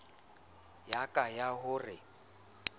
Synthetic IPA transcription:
jakʼajaɦʊrɪ

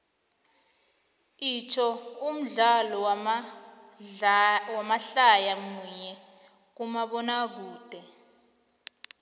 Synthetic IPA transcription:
iːt͡ʃʰɔum̩ɮalɔ | wamaɬajamuɲɛ | k̬umaɓɔnak̬uːd̥ʱɛ

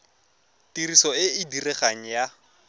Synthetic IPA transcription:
tirisɔɪɪdirɛχaŋ̩ja

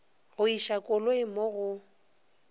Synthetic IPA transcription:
ɣʊiʃakʼʊloɪmoɣʊ

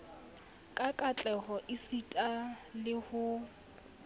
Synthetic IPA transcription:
kʼakʼat͡ɬʼɛɦɔʔɪsitʼalɪhʊ

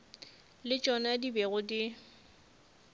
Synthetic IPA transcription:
lɪt͡ʃʼɔnadibeɣʊdɪ

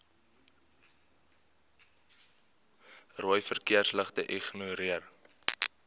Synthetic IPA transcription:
ruəjfərkiərsləχtəʔiχnuɾiər

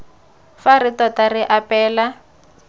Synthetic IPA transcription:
faɾitɔtarɪʔapɛːla

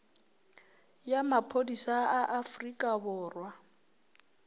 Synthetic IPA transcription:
jamapʰodisaaʔafrikʼabʊːrwa

